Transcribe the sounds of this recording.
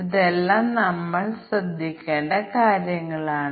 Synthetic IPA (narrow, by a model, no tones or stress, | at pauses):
iðelːaːmnɐmːɐɭsrɐd̪ʱːikʲːeːɳɖɐkaːɾjɐŋːɐɭaːɳ